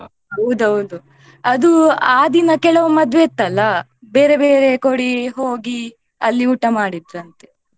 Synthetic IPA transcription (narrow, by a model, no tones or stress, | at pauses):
ɦɐwd̪uɦɐwd̪u | ɐd̪uaːd̪inɐkɛɭɐʋɐmɐd̪ʋet̪ːɐlːɐ | beːɾebeːɾe̞koɽiɦoːɡi | ɐlːiuʈːɐmaːɽid̪ɾɐnt̪e̞